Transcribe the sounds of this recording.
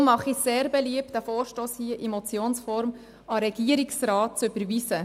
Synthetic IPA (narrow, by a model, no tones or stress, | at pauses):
mɑχiseːɾbɛliəp̚tæfoːɾʃtoːshiəʔimɔt͡sjoːnsfɔɾm | ɑɾɛɡ̥iəɾiksrɑːt̚t͡søb̥əɾʋiːsə